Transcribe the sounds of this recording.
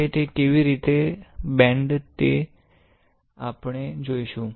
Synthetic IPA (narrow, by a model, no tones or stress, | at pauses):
et̪ekeʋiɾit̪ebɛ̃ɳɖt̪e | apɳed͡ʒoiʃũ